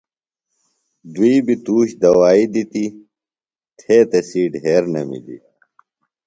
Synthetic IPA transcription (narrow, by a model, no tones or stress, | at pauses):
d̪wiibit̪uːɕd̪ɐwaːid̪it̪i | t̪ʰeːt̪ɐsiːɖɦeːɾnɐ̰mḭd̪ḭ